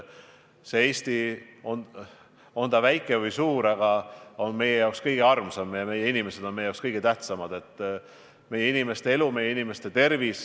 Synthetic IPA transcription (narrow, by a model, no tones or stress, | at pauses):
seeːsʲt̪ion | o̞nt̪ɑvæjkːˑevɯjsuːɾɑɡ̥ɑo̞nme̞jejɑˑwkskɤjɡ̥eɑrmsɑmjɑme̞je̞inime̞se̞d̪̥o̞nmejɑowkskɤjɡ̥et̪æht̪sɑmɑd̪e̞t̪ˑː | me̞jeinime̞st̪e̞e̞lume̞jːeinime̞st̪e̞t̪e̞rvis